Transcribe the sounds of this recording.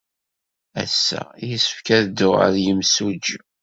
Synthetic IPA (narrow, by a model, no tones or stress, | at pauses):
æ̰sːæ̰jəsə̥fkæðd̪ʊə̰ɾjəmsud͡ʒ